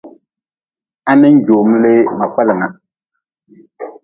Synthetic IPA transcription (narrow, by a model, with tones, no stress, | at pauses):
a˦nɨ˦n̩˦d͡ʒo˨mɨ˦lɨ˦ma˨k͡pa˦lɨ˨ŋa˨